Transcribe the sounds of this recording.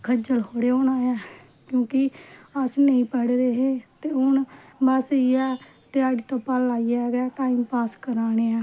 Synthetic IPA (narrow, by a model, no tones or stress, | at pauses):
kʰəd͡ʒəlhoːɽeːoːnaːjãː | kjõːkɪəsnəĩːpəɽɾeːɦeːt̪eːʊnbəsiɛː | t̪ɪaːɽiːt̪õːpəlːaːijaːɡaːʈaːimpaːskəɾaːñeːãː